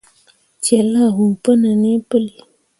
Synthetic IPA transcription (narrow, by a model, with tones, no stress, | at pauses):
t͡ʃe˨la˦ɦu˨pə˦nə˨ne˦pə˦li˨